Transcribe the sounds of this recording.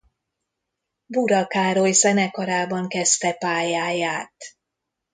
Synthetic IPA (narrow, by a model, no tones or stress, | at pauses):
buɾɒkaːɾojsɛnɛkɒɾaːbɒŋkɛst̪ɛpaːjaːjaːt̪